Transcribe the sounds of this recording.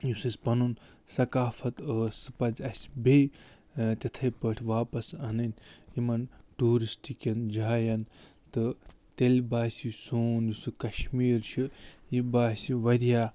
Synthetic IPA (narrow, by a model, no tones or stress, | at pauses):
jusɨsʲpɐnun | sɐkaːfʰɐt̪əːsɨpɐzɐsʲbej | t̪ʲɐt̪ʰɐjpəʈʰʲʋaːpɐsɐnɐnjimɐnʈuːɾisʈikɐnd͡ʒaːjɐn | t̪ɨ | t̪elʲbaːsʲisoːnjusɨkɐʃmiːɾt͡ʃʰijibaːsʲiʋɐɾjaː